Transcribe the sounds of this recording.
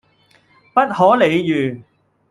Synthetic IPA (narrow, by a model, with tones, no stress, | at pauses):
pɐ˥t̚hɔː˨˥le˨˧jjyː˨˩